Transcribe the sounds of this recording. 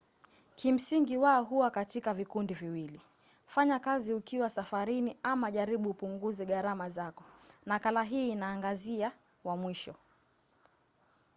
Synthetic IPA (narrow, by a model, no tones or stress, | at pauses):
kʰim̩siŋɡiwaɔɦuwakatikavikundiviwili | faɲakaziukiwasafaɾiniamaʄaɾiɓuːpuŋɡuzɛɠaɾamazakɔnakalaɦiːnaːŋɡazia | wamwiʃɔ